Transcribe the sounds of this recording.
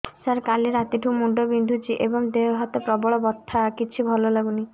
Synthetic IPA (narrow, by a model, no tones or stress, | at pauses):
saɾkaliɾat̪iʈʰũmuɳɖobind̪ʱud͡ʒiʔebɔŋd̪eɦɔt̪ɔpɾɔbɔɭɔbɔt̪ʰːakit͡ʃʰibʱɔlɔlaɡuni